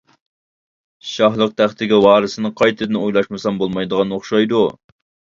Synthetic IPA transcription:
ʃɑɦlˠəq̚t̪ʰæχt̪ʰɪɡʲɪwɑːɾɨsɨnɨqʰɑjt̪ʰɨd̪ɪnojlˠɑʃmɨsɑmbolˠmɑjd̪əʁɑnoχʃɑjd̪u

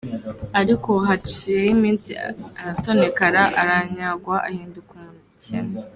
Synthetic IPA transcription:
aɾiko̞ɦat͡ʃijejimiːnsḭaɾato̞ne̞kaɾaʔaɾaɲaɡwaʔahiːndukumnicḛne

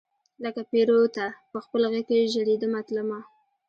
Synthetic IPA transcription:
ləkapeɾot̪apəxpəlɣakeʒəɽed̪əmat̪ləma

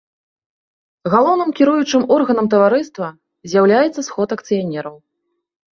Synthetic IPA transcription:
ɣalˠɔwnɨmkʲiɾujut͡ʂɨmɔrɣɐnɐmt̪ɐvaɾɨst̪vɐ | zʲjawlʲajɛt̪sːɐsxɔt̪ɐkt̪sɨjanʲɛɾɐw

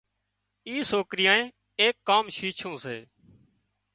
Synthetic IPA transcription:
iːsoːkɾɪjãːẽː | eːkːaːmʃiːt͡ʃʰõːsḛː

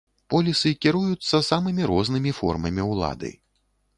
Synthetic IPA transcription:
pɔlʲisɨkʲiɾujut̪sːɐsamɨmʲiɾɔznɨmʲifɔ̰rmɐmʲiwlˠa̰d̪ɨ̰

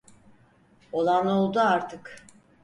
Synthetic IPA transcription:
o̞lˠano̞lˠd̪uaɾt̪ʰɯk

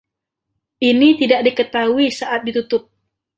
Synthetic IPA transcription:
ʔinit̪idaʔ̚dikət̪auisaʔat̪̚dit̪ut̪ʊp̚

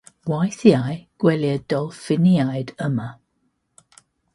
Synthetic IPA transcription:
wajθiajɡ̥wɛljəd̥ɔlˠfɪniajdəmə

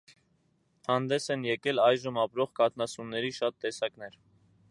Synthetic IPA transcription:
hɑnd̪ɛsɛnjɛkɛlɑjʒəmɑpɾɔʁkɑt̪ʰnɑsunːɛɾiʃɑt̪ːɛsɑknɛɾ

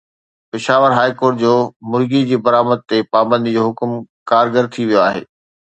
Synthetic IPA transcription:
pɪʃaːʋəɾɦaːikoːɾʈ̚d͡ʑoːmʊɾɡid͡ʑiːbɐɾaːməd̪̚t̪epaːbə̃nd̪d͡ʑoːɦʊkmkaːɾɡəɾt̪ʰiʋijoaːɦḛː

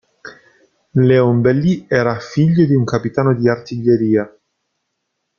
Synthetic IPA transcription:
leombelːiɛːɾafiʎːod̪iuŋkapit̪aːnod̪iart̪iʎːeɾiːa

